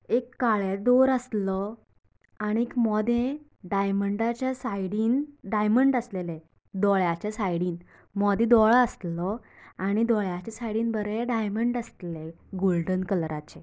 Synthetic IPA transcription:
ekːaɭed̪oɾəslɔ | aɽ̃iekmɔd̪ʱẽ | ɖajməɳɖat͡ɕjasajɽiːnɖajməɳɖəslele | d̪ɔɭjat͡ɕjasajɽiːn | mɔd̪ʱĩd̪ɔɭəst̪lɔaɽ̃id̪ɔɭjat͡ɕasajɽiːnbəɾeɖajməɳɖəst̪le | ɡolɖənkəlɾat͡ɕe

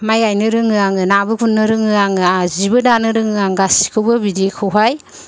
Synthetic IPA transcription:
majɡajnɯɾɯŋɯaŋɯnabɯkʰunːɯɾɯŋɯaŋɯazibɯdanɯɾɯŋɯaŋɡasi̥kʰɯwbɯbidikʰɯwɦaj

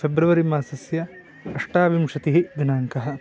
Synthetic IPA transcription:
pʰebɾuʋɐɾimaːsɐsjɐ | ɐʂʈaːʋimʂɐt̪iɦid̪inaːŋkɐɦɐ̆

